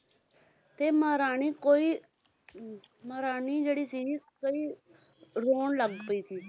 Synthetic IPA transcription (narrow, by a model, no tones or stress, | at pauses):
t̪eːməɦɾaːɳ̃iːkoːiː | məɾaːɳ̃iːd͡ʒeːɽiːsiːkoiː | ɾoːɳləɡpəiːsiː